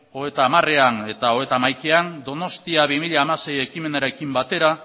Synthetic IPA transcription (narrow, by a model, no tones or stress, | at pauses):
o̞et̪aːmare̞ane̞t̪aoet̪amajkeand̪o̞no̞st̪iaβimiʎaːmase̞je̞kime̞naɾe̞kimbat̪e̞ɾa